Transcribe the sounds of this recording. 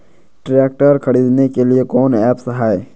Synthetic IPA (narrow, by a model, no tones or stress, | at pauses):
ʈɾɛːk̚ʈəɾkʰɐɽiːd̪nekeliekɔːnɛːpsɦaːe